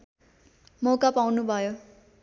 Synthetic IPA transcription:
mokapawnubʱʌjo

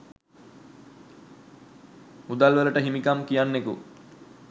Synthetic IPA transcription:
ud̪alʋələʈəɦimikamkijanːekṵ

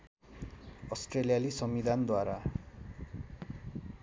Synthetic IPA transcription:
ʌsʈrelijalisʌmːid̪ʱand̪waɾa

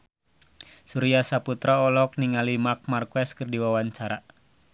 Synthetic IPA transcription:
suɾiasaput̪ɾaɔlɔk̚niŋalimak̚markwɛskərdiwawaɲt͡ʃaɾa

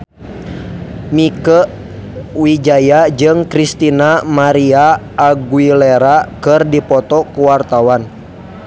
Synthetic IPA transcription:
mikəʔ | wid͡ʒajad͡ʒɨŋkɾist̪inamaɾiaː | ɡuilɛɾakɨrdipɔt̪ɔkuwart̪awan

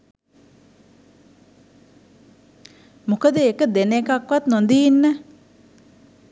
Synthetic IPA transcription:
mokəd̪ekəd̪enekakwat̪̚nɔ̃nd̪inːə

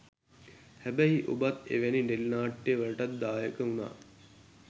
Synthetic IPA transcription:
hæbæɦiʔobat̪ḛʋæniɖelnaːʈːeʋəɭəʈat̪̚d̪aːjəkəuna̰ː

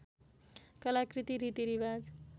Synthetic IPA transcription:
kʌlakɾit̪iɾit̪iɾibad͡z

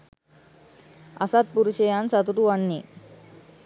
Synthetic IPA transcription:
ə̰sat̪̚puɾuɕejansat̪uʈ̪uaɳːe

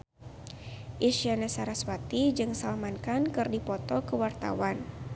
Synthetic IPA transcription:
ʔiʃianasaɾaswat̪id͡ʒɨŋsalmankankɨrdipɔt̪ɔkəwart̪a̰wan

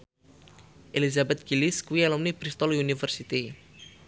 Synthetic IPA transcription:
ʔelizabɛt̪̚ɡ̥iliskuiɛlɔmnibɾist̪ɔlunifərsit̪i

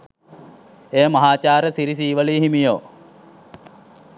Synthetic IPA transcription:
eːmɐɦaːt͡ʃaːɾəsiɾisiːʋəliːɦimijoː

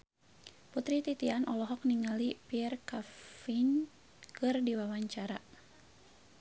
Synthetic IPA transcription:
put̪ɾit̪it̪ianʔɔlɔɦɔk̚niŋalipirkafin | kɨrdiwawaɲt͡ʃaɾa

